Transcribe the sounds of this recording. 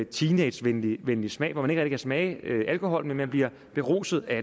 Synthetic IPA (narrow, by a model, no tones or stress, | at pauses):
t͡sʰiːne̥sʋenliʋenlismɛ̰ɪʋɒ̰mæneɡʁɛæ̥d̥ikʰæsmɛɪøʔælkʰo̝ɦɒ̽l̰menmænb̥liɐ̰ | b̥e̝ʁo̝̰ːsð̞̩ˠæ